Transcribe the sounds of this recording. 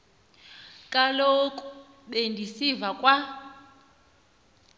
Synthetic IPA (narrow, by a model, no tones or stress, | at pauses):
kʼalokʼu | ɓendʱisivakʼwa